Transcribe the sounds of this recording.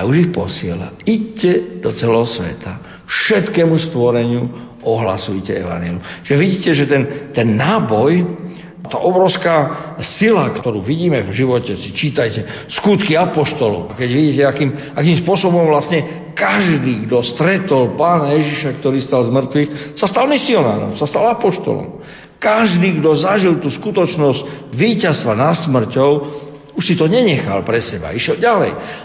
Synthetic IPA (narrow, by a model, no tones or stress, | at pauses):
auʒixpɔsɪɛla̰iɟcɛd̪ɔt͡sɛlɛɦɔsʋɛ̰t̪ʰa | fʃɛt̪kɛːmust̪ʋɔɾɛɲɪu | ʔɔɦla̰sujcɛɛ̰ʋa̰njɛlɪut͡ʃiʒɛʋiɟiːcɛʒɛt̪ɛnt̪ɛnːaːbɔj | t̪a̰ʔɔbɾɔʊskaːsilakt̪ɔɾuːʋiɟiːmɛvʒiʋɔcɛsit͡ʃiːt̪ajcɛ | skut̪kiapɔʃt̪ɔlɔ̰ʊʔakɛɟʋiɟiːcɛakiːm | akiːmspʊɔsɔbɔmvlasɲɛ | kaʒd̪iːɡd̪ɔst̪ɾɛt̪ɔlpaːnajɛʒiʃak̚t̪ɔɾiːst̪alzmr̩t̪ʋixsast̪almisiɔna̰ːɾɔ̰msast̪alapɔʃt̪ɔ̰lɔ̰m | kaʒd̪iːɡd̪ɔzaʒilt̪uːskut̪ɔt͡ʃnɔzcʋiːcast̪ʋanasmr̩cɔʊ | uʃsit̪ɔɲɛɲɛxa̰lpɾɛsɛba̰iʃjɛlɟalɛ̰j